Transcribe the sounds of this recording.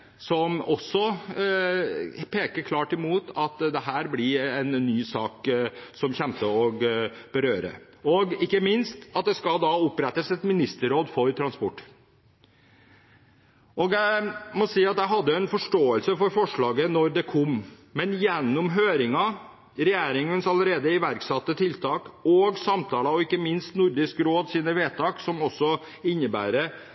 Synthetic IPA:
sɔmɔsːɔ | pʰeːkəɾkʰlɑːʈɪmuːt̪ɑt̪d̪ɛɦæːɾblɪɾɛnːyːsɑːksɔmçɛmt̪əɔɡ | b̥əɾøːɾə̰ | ɔɡɪkːəmɪnst̪ɑt̪̚d̪ɛskɑld̪ɑʊpːɾɛt̪ːəsɛt̪mɪnɪst̪əɾoːd̪fɔɾt̪ʰɾɑnspɔʈː | ʔɔɡjæɪmɔsiːɑt̪jæɦɑd̪ːəɛnfɔʂʈoːəlsəfɔɾfɔʂɭɑːɡənɔɾd̪ɛkʰɔm | mɛnjɛnːʊmɦøːɾɪŋɑ | ɾɛjæːɾɪŋənsɑləɾeːd̪əɪʋæɾksɑt̪ːət̪ʰɪlt̪ʰɑːkɔɡsɑmt̪ʰɑːlɑɔɪkːəmɪnst̪nʊɾɖ̪ɪskɾoːd̪siːnəʋeːt̪ʰɑːksɔmɔsːɔ | ɪnːəbæ̰ːɾə

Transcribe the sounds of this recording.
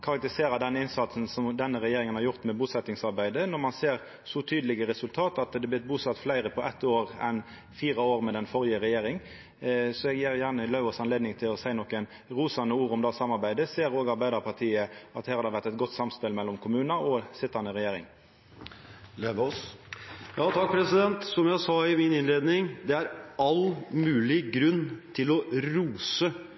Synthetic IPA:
kʰɑʁɑk̚t̪ɪseːɾɑd̪ɛnɪnsɑt̪sn̩sɔmd̪ɛnːəʁɛjeːɾɪŋənhɑɾʁjʊʁt̪mɛbuːsɛt̪ːɪŋsɑɾbæɪd̪ənɔʁmɑnseːʁ | sɔt̪ʰyːd̪əlɪɡəɾɛsʉlt̪ʰɑːt̪ɑt̪d̪ɛblɪt̪̚buːsɑt̪ːflæɪɾəpʰɔʔɛt̪ːoːʁɛn | fiːʁɑoːʁmɛd̪ɛnfɔɾɪəʁɛjeːɾɪŋ | sɔɛɡjeːʁjæʁnəlœʉɔsɑnleːd̪nɪŋt̪ʰɪlɔsæɪnɔkːən | ɾuːsɑnəuːɾɔmd̪ɑsɑmɑɾbæɪd̪əseːɾoːɡɑɾbæɪd̪ɑʁpʰɑʁt̪ʰiːəʔɑt̪hæːɾhɑd̪əɛʋæɾt̪ɛt̪̚ɡɔt̪ːsɑmspɪlmɛlːɔmkʰʊmʉːnəɾɔsɪt̪ːɑnəʁɛjeːɾɪ̰ŋ | leɔ | jɑːt̪ʰɑk̚pʰɾɛsɪd̪ɛnt̪sɔmjæsɑːɪmɪnɪnleːd̪nɪŋd̪ɛæɾɑlmʉːlɪɡɾʉnːt̪ʰɪlɔɾuːsə

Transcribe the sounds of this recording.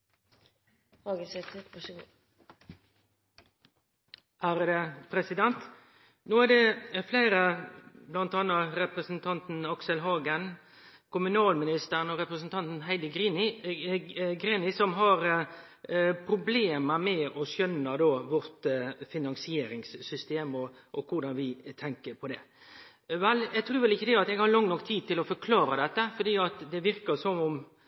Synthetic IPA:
hɑːɡəsɛt̪ɡ | hæːɾd̪əpʰɾɛsɪd̪ɛnt̪ | noːæʁd̪ɛflæɪɾəblɑnt̪ɑːnːəɾɛpʁəsn̩t̪ʰɑnt̪n̩ɑksəlɦɑːɡən | kʰʊmʉnɑːlmɪnɪst̪əʁənɔɾɛpʁəsn̩t̪ʰɑnt̪n̩ɦæɪd̪əɡ̪ | ɡɾinɪsɔmɦɑɾ | pʰɾʊbleːməmɛʔɔsœnːəd̪oːʋɔɾt̪fɪnɑnsɪeːɾɪŋsːʏst̪eːmɔ | ʔɔkʰʊɾd̪ɑnʋɪt̪ʰɛŋkəɾpʰɔd̪ɛ | ʋɛljæɡt̪ʰɾʉːɾʋɛlɪçːəd̪ɛɑt̪ɛɡhɑɾlɑŋnɔkːt̪ʰiːd̪̚t̪ɪlɔfɔɾkʰlɑːɾəd̪ɛt̪ːəfɔd̪iːɑt̪d̪ɛʋɪɾkəsɔmʊm

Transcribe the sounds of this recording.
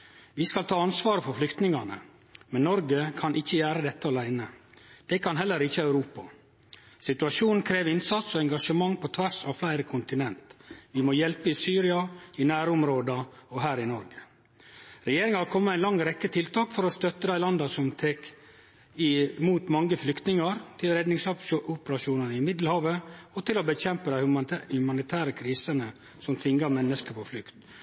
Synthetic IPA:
ʋɪskɑlt̪ʰɑːɑnsʋɑːɾəfɔɾflʏkt̪nɪŋɑnə̰ | mɛnːɔɾɡəkʰɑnʔɪçːəjæːɾəd̪ɛt̪ːəɑlæɪnəd̪̥ɛkʰɑnɦɛlːəɾɪçːəœʉɾuːpɑ | sɪt̪ʉɑʃuːnn̩kʰɾeːʋɪnsɑt̪sɔɛŋɡɑʂəmɑŋːpʰɔt̪ʰʋæʂɑʋflæɪɾəkʰʊnt̪ɪnɛnt̪ʋɪmɔjɛlpəɪsyːɾɪɑɪnæːɾʊmɾoːd̪ɑɔɦæːɾɪnɔɾɡə | ɾɛjeːɾɪŋhɑɾkʰɔmːəæɪnlɑŋːɾɛkːət̪ʰɪlt̪ʰɑːkfɔɾɔst̪œt̪ːəd̪æɪlɑnd̪ɑsɔmt̪ʰeːk | ɪmuːt̪mɑŋːəflʏkt̪nɪŋɑɾt̪ʰɪlɾɛd̪nɪŋsɑpʔʊpəɾɑʃuːnənəɪmɪd̪l̩hɑːʋəɔt̪ʰɪlɔbəçɛmpəd̪æɪhhʉmɑnɪt̪ʰæːɾəkʰɾiːsənə | sɔmt̪ʰʋɪŋːɑmɛnːəskəpʰɔflʏkt̪

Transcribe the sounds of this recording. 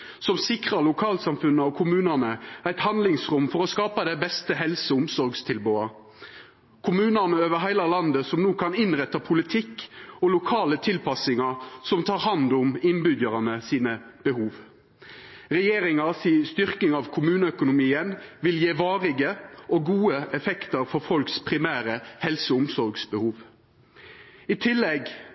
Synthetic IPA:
sɔmsɪkʁɑɾlʊkʰɑːlsɑmfʉnːəɔkʰʊmʉːnənəæɪt̪hɑnd̪lɪŋsʁʊmfɔʁɔskɑːpɑd̪ɛɪbɛst̪əɦɛlsəʊmsɔɾɡst̪ʰɪlboːɑ | kʰʊmʉːnənəøːʋəɾɦæɪlɑlɑnd̪əsɔmnuːkʰɑnɪnʁɛt̪ːɑpʰʊlɪt̪ʰɪkːɔlʊkʰɑːlət̪ʰɪlpɑsɪŋɑsɔmt̪ʰɑːʁhɑnd̪ʊmɪnbʏd̪əɾɑnəsiːnəb̥əhuːʋ | ʁɛjeːɾɪŋɑsiːst̪ʏʁkɪŋɑʋkʰʊmʉːnəœkʊnʊmiːənʋɪljeːʋɑːʁɪɡəʔɔɡuːəɛfɛkt̪əɾfɔɾfɔlkspʰʁɪmæːɾəhɛlsəʊmsɔɾɡsbəhuːʋ | ɪt̪ʰɪlːɛɡ

